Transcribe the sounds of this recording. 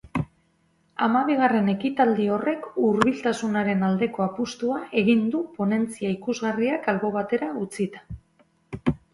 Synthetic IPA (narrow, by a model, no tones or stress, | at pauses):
amaβ̞iɣ̞are̞ne̞kit̪ald̪io̞re̞kuɾβilt̪asunaɾe̞nald̪e̞ko̞apust̪uaʔe̞ɣ̞ind̪upo̞ne̞nt͡siaikuzɣariakalβo̞β̞at̪e̞ɾaut͡sit̪ḁ